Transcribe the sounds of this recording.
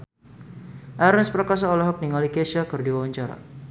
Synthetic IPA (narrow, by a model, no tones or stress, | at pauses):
ʔaɾɛnspɾakas̬aɔlaɦɔk̚niŋalikɛʃakɨrdiwawaɲt͡ʃaɾa̰